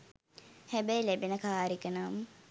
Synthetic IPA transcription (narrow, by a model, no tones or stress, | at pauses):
hæbæjlebinəkaːɾikənamə